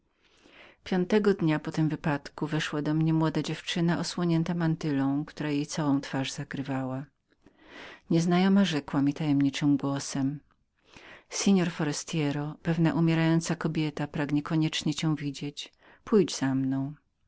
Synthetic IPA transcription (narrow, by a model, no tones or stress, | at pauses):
pʲjɔnt̪ɛɡɔd̪ɲapɔt̪ɘmvɘpat̪kuvɛʂwad̪ɔmɲɛmwɔd̪ad͡ʑɛft͡ʂɘnaʔɔswɔɲɛnt̪amant̪ɘlɔ̃w̃kt̪uɾajejt̪sawɔ̃w̃t̪faʐz̥akɾɘvawa | ɲɛznajɔmaʐɛkwamʲit̪ajɛmɲit͡ʂɘmɡwɔsɛm | sʲɛɲɔɾfɔɾɛst̪jɛɾɔpɛvnaʔumʲɛɾajɔnt̪sakɔbʲjɛt̪apɾaɡɲɛkɔɲɛt͡ʂɲɛt͡ɕɛw̃vʲid͡ʑet͡ɕ | pujd͡ʑz̥amnɔ̃w̃